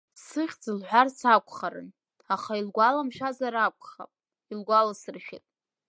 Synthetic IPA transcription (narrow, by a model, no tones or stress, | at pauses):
sɨχʲd͡zɨlħʷᶣarsakʷʰʼχaɾɨ̰n | aχailɡʷalamʃʷazaɾakʷʼχa̰pʼ | ilɡʷalasɨrʃʲᶣḭtʼ